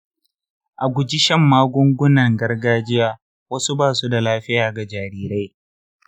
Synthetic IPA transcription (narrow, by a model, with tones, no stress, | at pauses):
ʔa˨ɡʷʊ˨d͡ʒi˦ʃɐ˦mːaː˦ɡʷʊ˦ŋɡʷʊ˦nɐ˨ŋɡɐ˦rɡaː˦d͡ʒɪ˦jaː˦ | wɐ˦su˦baː˦˨su˦da˨laː˦ɸɪ˦jaː˨ɡa˨d͡ʒaː˨ɾiː˦ɾa˦j